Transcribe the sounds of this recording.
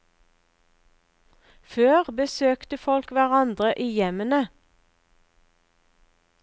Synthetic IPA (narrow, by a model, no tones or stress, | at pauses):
føːʁbəsøːkt̪əfɔlkʋæʁɑnd̪ʁəʔiːjɛmənə